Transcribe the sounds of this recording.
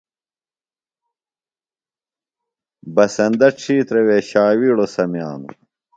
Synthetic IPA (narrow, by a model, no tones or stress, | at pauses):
bɐsɐnd̪ɐʈ͡ʂʰiːt̪ɾeweːɕaːwiːɽosɐmjaːnṵ